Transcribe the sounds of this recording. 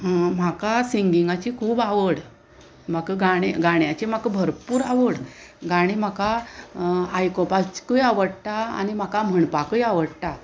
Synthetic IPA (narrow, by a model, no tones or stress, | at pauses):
m̤akasiŋɡiŋɡat͡ɕikʰuːbaʋəɽ | m̤akɡaɽɡaɽ̃jat͡ɕim̤akbʱəɾpuːɾaʋəɽ | ɡaɽ̃im̤aka | ajkopat͡ɕkəjaʋəɽt̪aa̰nim̤akam̤əɳpakəjaʋəɽt̪a